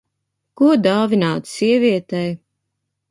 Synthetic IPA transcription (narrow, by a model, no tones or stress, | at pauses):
kuɔd̪aːvʲinaːt̪siɛvʲiɛt̪ɛj